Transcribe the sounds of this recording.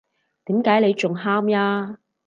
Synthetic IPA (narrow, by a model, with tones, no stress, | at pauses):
t̪iː˨˥mkaː˨˥jle˨˧jt͡ʃʊ˨ŋɦaː˥mjaː˧